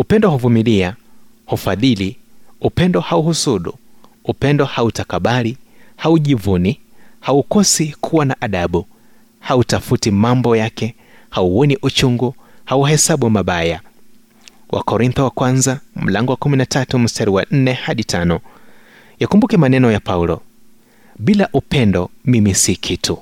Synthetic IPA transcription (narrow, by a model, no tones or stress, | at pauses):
upɛndɔhuvumilia | hufaðiliupɛndɔhauhusuɗṵupɛndɔhautakaɓalihauʄivunihaukɔsikʰuwanaʔaɗaɓu | hautafutimambɔjakɛ | hauɔniʔut͡ʃuŋɡuhauɦɛsaɓuwamaɓaja | wʔa̰kɔɾinθɔwakwanzam̩laŋɡɔwakuminatatum̩staɾiwa̰n̩nɛhaɗitʰanɔ | jakumbukɛmanɛnɔjapaulɔ | ɓilaʔupɛndɔmimisikʰitu